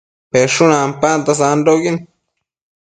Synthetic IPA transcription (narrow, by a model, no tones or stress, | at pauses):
peʂunampant̪as̬andoɡin